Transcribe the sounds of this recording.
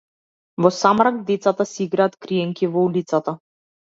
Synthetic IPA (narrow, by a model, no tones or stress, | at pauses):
vɔsamɾaɡ̚d̪ɛt̪sat̪asɛiɡɾaːt̪kɾiɛŋkivɔulit̪sat̪a